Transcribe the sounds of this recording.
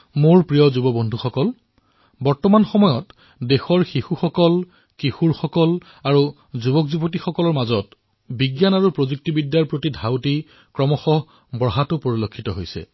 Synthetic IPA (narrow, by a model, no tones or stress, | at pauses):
moɹpɹijɔzubɔbɔndʱuxɔkɔl | bɔɹtɔmanxɔmɔjɔt | dexɔɹxixuxɔkɔl | kixuɹxɔkɔl | aɹu | zubɔkzubɔt̬ixɔkɔlɔɹmazɔt | biɡjanaɹupɹozuk̚tibidjaɹpɹotidʱawti | kɹɔmɔxɔɦ | bɹɔɦatʊpoɹilokʰːitɔɦojsɛ̰